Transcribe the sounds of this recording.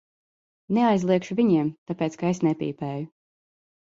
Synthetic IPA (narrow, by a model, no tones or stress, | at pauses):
neajzlˠiɛkʃuviɲiɛmt̪apeːt̪skaesnɛpʲḭːpɛːju